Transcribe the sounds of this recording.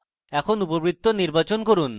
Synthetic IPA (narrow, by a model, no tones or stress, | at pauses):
ɛkʰonupobɾit̪ːoniɾbat͡ɕonkoɾun